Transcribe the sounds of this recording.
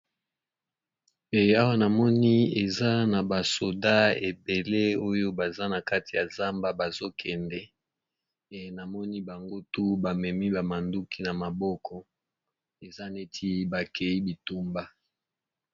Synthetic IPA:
e˨a˦wa˦na˨mɔ˦ni˦e˨za˦na˨ba˨so˨da˦e˨be˨le˦o˦jo˦ba˨za˦na˨ka˦ti˨ja˨za˦mba˦ba˨zo˦kʰɛ˨ndɛ˦ | e˨na˨mɔ˦ni˦ba˨ŋɡo˦tu˦ba˨mɛ˨mi˦ba˨ma˨ndu˦ki˦na˨ma˨bɔ˦kʰɔ˦ | e˨za˦ne˦tʰi˦ba˨kʰɛ˨i˦bi˨tu˦mba˦

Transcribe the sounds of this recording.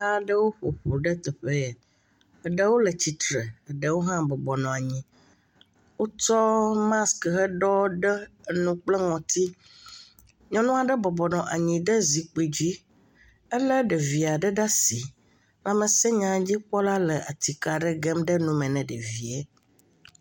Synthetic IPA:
a˦ɖə˦wo˦ɸo˨ɸo˨ɖɛ˦t̪ɛ˨ɸe˦˨ | ɖə˦wo˦lə˨t͡ɕi˨t̪ɾe˨ɖə˦wo˦ɦã˦bɔ˨bɔ˨nɔ̃˨a˨ɲĩ˨ | wo˦t͡ʃɔ˦mã˦skɦə˦ɖɔ˦ɖɛ˦nũ˦k͡plɛ˦ŋɔ̃˨t̪ʰi˦ | ɲɔ̃˦nũ˦a˨ɖə˦bɔ˨bɔ˨nɔ̃˨ʔa˨ɲĩ˨ɖə˦zi˨k͡pe˨d͡ʑi˦ | ɛ˦lə˦ɖe˨vi˨a˨ɖə˦ɖa˦si˨ | la˨mɛ̃˨sɛ˦ɲã˨d͡ʑi˦k͡pɔ˦la˦lɛ˨ʔa˨t̪i˨ka˨ɖə˦ɡɛ˦mɖə˦nũ˦mɛ̃˨nɛ̃˨ɖe˨vi˨e˦

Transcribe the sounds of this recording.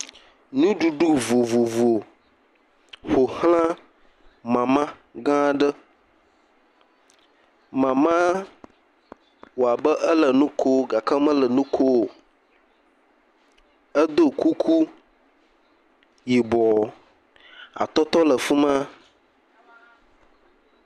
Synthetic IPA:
nũ˦ɖu˨ɖu˦vo˨vo˨vo˨ | ɸo˨hl̃ã˦ | mã˨mã˦ | ɡã˦ɖə˦ | mã˨mã˦ | wo˨a˨bə˦ʔə˦lə˨nũ˦kʰo˦˨ɡa˨ka˦mə̃˦lə˨nũ˦kʰo˦˨ | ə˦d̪o˦ku˦kʰu˦ | ji˨bɔ˨ | a̰˨t̪ɔ˦t̪ɔ˦lə˨fu˦mã˦

